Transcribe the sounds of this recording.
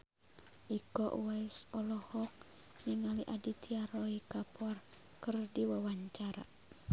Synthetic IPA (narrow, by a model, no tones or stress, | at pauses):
ʔikɔʔwaisɔlɔhɔk̚ | niŋaliʔadit̪ʰiaɾɔikapʰɔr | kɨrdiwawaɲt͡ʃaɾa̰